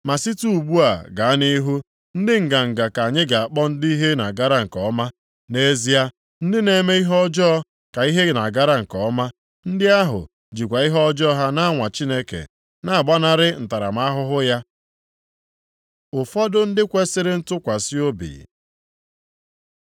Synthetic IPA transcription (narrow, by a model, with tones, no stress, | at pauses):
ma˨si˦tu˦u˨ɡ͡bu˦a˨ɡa˨a˦ni˦ɦu˦ | n̩˦dɪ˦ŋ̩˨ɡa˨ŋ̩˨ɡa˨ka˨ɲɪ˦ɡa˨a˨k͡pɔ˦n̩˦di˦i˦ɦe˦na˨ɡa˦ɾa˦ŋ̩˨kɔ˨˦ma˦ | ne˦zi˦a˦ | n̩˦dɪ˦ne˦me˦i˦ɦɔ˦d͡ʒɔ˦ | ka˨i˦ɦe˦na˨ɡa˦ɾa˦˨ŋ̩˨kɔ˨˦ma˦ | n̩˦dɪ˦a˦ɦʊ̰˨ | d͡ʒi˨kʷa˨i˦ɦɔ˦d͡ʒɔ˦ɦa˦na˦ŋʷa˨t͡ʃi˦ne˦kḛ˨ | na˨a˨ɡ͡ba˦na˦ɾɪ˦n̩˨ta˨ɾa̰˨m̩˦a˦ɦʊ˦ɦʊ˦ja˦ | ʊ˨fɔ˦dʊ˦n̩˦dɪ˦kʷe˦sɪ˦ɾɪ˦n̩˦tʊ˦kʷa˨si˦o˦bḭ˨